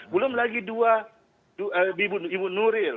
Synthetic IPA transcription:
bulɔm̩lakidua | dubibunibunuɾɪlɔ

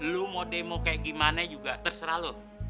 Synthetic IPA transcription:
lumodemokaʔɡimanɛd͡ʒuɡaʔt̪ərsəɾalo

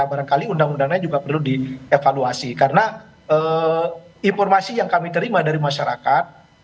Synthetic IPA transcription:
baɾankaliundaŋundaŋad͡ʒuɡapərludiefaluasikaɾəna | ə | infɔrmasijaŋkamit̪əɾimadaɾimaʃaɾa̰kat̪̚

